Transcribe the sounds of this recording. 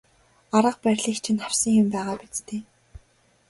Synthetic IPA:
aɾə̆q̚pæɾʲɮiːkt͡ɕʰĭnχaw̥sə̆ŋjʊmpæːʁaːpit͡st̪eː

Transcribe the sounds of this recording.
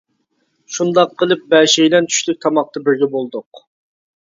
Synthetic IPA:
ʃund̪ɑqʰːəlˠɨp̚bɛʃɛjlɛnt̪ʰy̥ʃlyk̚ʲt̪ʰɑmɑq̚t̪ɑbɪɾɡʲɛbolˠd̪ʊq

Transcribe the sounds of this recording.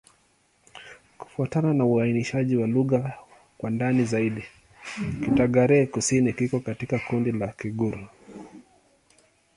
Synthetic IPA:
ku̥fuatananauainiʃaʄiwaluɣa | kwandanizaiɗi | kitaɠaɾɛːkusinikikɔkatikakundilakiɠuɾu

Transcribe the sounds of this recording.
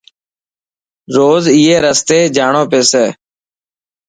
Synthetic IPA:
ɾoːziːeːɾəst̪eːd͡ʒaːɳoːpeːseː

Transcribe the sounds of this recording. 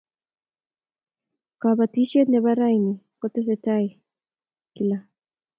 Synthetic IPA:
kaβat̪iʃet̪neβaɾajni | kot̪eset̪aj | kila

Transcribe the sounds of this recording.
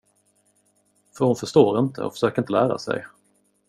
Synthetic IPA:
fœɾhʊnfœʂt̪oːɾɪnt̪ə̰ɔ̰fœ̥ʂøːkəɾɪnt̪əlæːɾa̰sɛ̰j

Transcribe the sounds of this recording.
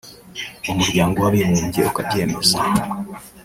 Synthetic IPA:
omuɾɡaːŋɡoaβimuːɲɟḛokaɟeːmeza

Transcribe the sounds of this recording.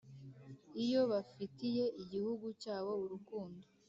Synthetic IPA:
ijo̞βafitije̞ʔiɟihuɡucaːβo̞uɾukuːndo

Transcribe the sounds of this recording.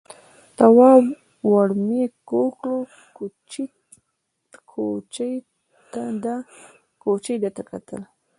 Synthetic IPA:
t̪awɑ | waɽmekokɽo | kut͡ʃi | kʰot͡ʃj | t̪ad̪a | kot͡ʃəjd̪at̪aka̰t̪əl

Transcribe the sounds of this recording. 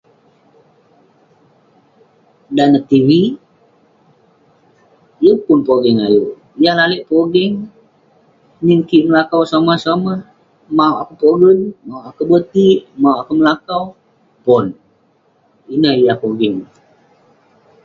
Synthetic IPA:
danat̪iwi | jupʊnpoɡɛŋajo | ijahlalɛʔpoɡɛŋ | niŋkiʔməlakawsamasamah | mauʔakupoɡənmauʔakubət̪iʔmawʔakuməlakaw | pɔn | inahijahpoɡɛŋ

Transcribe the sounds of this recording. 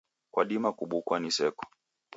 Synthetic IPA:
kwa̰ɗimakuɓukwanisɛkɔ̥

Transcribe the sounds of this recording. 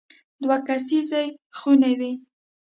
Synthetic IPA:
d̪wakas̬izajxunewi

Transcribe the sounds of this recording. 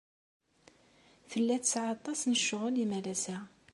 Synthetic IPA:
fəlːæt̪əsʕɑt̪ˤːɑsnəʃːʊʁʊlimælæsæ

